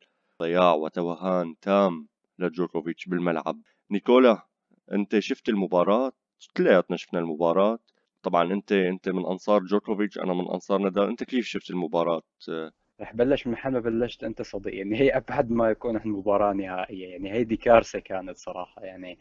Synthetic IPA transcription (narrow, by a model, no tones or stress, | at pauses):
ɑjɑːʕwa̰t̪awaɦːaːnt̪ʰaːm | lad͡ʒoːkovɪt͡ʃbɪlmalʕa̰b̚ | nɪkoːla | ʔɪ̰nt̪eʃʊft̪ɪlmʊbɑːɾˤɑːt̪ | t̪ɪlːajaːt̪naʃɪ̥fnalmʊbɑːɾˤɑːt̪ | t̪ˤːɑbʕɑnʔɪnt̪eʔɪnt̪emɪnʔɑ̰nsˤɑːɾˤd͡ʒoːkovɪt͡ʃʔa̰namɪnʔɑ̰nsˤɑːɾˤnad̪aːʔɪnt̪akeːfʃʊft̪ɪlmʊbɑːɾˤɑːt̪ | ɾˤɑːħbalːaʃmaħalmabalːaʃt̪ʔɪnt̪asˤɑd̪ˤḭʔjaʕnihaːʔabʕad̪majakuːnʔaħnmʊbɑːɾˤɑːnɪhaːʔɪjːajaʕnihajd̪ikɑːɾˤsakaːnat̪sˤɑɾˤɑːħɑjaʕni